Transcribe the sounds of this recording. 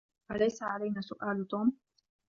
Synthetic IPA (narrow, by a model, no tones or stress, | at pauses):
ʔalajsaʕalajnaːsʊʔaːlt̪uːm